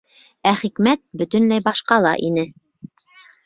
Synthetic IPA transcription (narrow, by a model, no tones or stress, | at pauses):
æχikmæt̪̚bɵ̆t̪ɵ̆nlæjbɑʃqɑlˠɑ̰ʔinɘ